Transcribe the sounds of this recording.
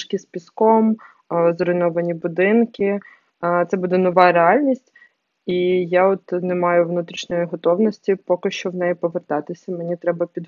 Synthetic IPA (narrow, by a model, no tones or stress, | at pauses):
ʃkispʲiskɔm | zɾɔjnɔʋɐnʲibʊd̪ɪnkɪ | t̪sɛbud̪ɛnɔʋɑɾeɑlʲnʲisʲtʲ | ijaɔt̪nemɑjʊʋnut̪ɾʲiʃnʲɔjiɦɔt̪ɔwnɔsʲtʲipɔkɪʃt͡ʃɔʋnɛjipɔʋert̪ɑt̪ɪsʲɐmenʲit̪ɾɛbɐpʲid̪